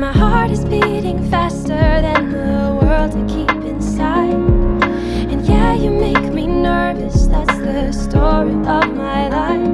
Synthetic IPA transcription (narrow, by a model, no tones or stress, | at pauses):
maɪhɑɹɹɾɨzbiɾɪ̃ŋfæstə˞ðɨ̃nðəwɜ˞lˠd̚tʰɨkʰipɨ̃nsaɪd | ɨ̃njæjɨmeɪkminə˞vɨsðætsðɨstɔɹiʔʌvmaɪlaɪf